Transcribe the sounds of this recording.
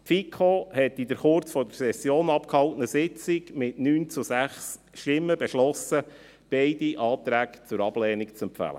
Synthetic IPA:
pfikʰoːhɛtːidəɾχʊɾt͡sfɔdəɾsɛsjoːnɑp̚khɑltnəsɪt͡sɪɡmɪtnyːnt͡sʊsæχs | ʃtɪmːəbɛʃlɔsə | b̥ɛɪdiʔɑːtɾæːkt͡sʊɾɑb̥lɛːnikt͡sɛmpfæ̰lə̰

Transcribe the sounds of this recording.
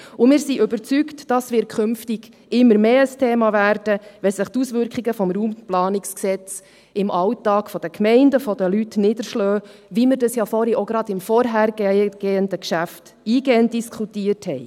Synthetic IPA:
ʊmɪːɾsiʔʏbəɾt͡syktd̥ɑsʋɪːɾkʰχʏmftiɡ̥ | ʔɪmːəɾmeːəstʰeːmɑvæːɾd̥əʋɛsəχt̪usʋʏɾkχiɡəfɔmɾuːmplɑːnɪksksɛt͡s | ʔɪmʔɑwtɑːkfɔd̥əkʰmɛɪndəfɔd̥əlytnɪd̥̪əɾʃlœːviməɾdɑsjɑfɔɾiʔoɡɾɑdɪmfɔɾɦæɾɡ̥eɡ̥eːəndəkʃæft | iːɡeːənt̚diskχutiːəɾthɛɪ

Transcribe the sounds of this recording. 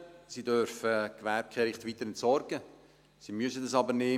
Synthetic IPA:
sidœɾfəkʋɛɾp̚kʰɛɾɪχtʋiːt̪əɾɛntsɔrɡ̥ə | simyəsədɑsɑbəɾneː

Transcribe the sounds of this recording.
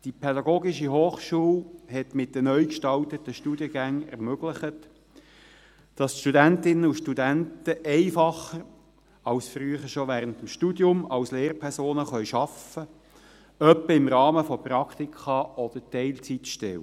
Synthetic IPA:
d̥ipʰɛdɑɡoːɡiʃiɦoːχʃuːlhɛt̪mɪt̚d̥ənœʏkʃtɑlt̪ətːəʃtud̥jəɡæŋɛ̰ʁmøɡ̥ləχət | d̥ɑsʃtudæntɪnəuʃtudæntəʔɛɪfɑχəɾ | ɑwsfryəχəɾʃɔʋæːɾəntəmʃtudjʊmɑwsleːɾpʰɛɾsoːnəχœɥʃɑfə | œpːəɪmɾɑːməfɔpɾɑkχt̪ikʰχɑʔɔd̥̪ətɛɪlt͡sitʃtɛw

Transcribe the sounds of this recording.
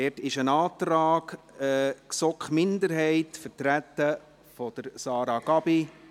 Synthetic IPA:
ɛtɪʃənɑːt̪ɾɑːɡ̥ | ksɔkχmɪndəɾɦɛɪtfəɾtɾætːə | fɔd̥əɾsɑːɾɑɡɑb̥i

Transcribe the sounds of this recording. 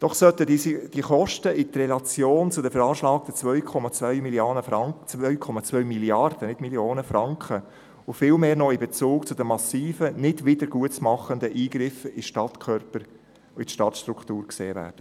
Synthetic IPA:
d̥ɔχsœt̪ədd̥iəχɔʃtəɪt̪rɛlɑt͡sjoːnt͡sʊdəfəɾɑːʃlɑːk̚t̪ət͡svœɥkʰɔmɑt͡svœʏmilioːnəɑt͡sœʏkʰɔmɑt͡sʋœʏmiljɑrd̥ənɪdmiljoːnəfrɑŋkχə | ʊfɪlmeːɾnɔɪbɛt͡suːkt͡sʊd̥əmɑsiːfənɪdʋɪdəɾɡuətmɑχəndəʔiːɡɾɪfɪʃtɑt̪kʰœɾpəɾ | ɪtʃtɑtʃtɾuktuːɾkseːvæ̰ːɾd̥ə

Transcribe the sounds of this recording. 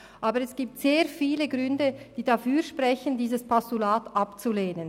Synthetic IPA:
ʔaːbəʁɛsɡ̥iːp̚tz̥eːɐfiːləɡʁʏndəd̥iːdafyːɐʃpʁɛçəndiːzəspʰɔstulaːtʔapt͡suleːnən

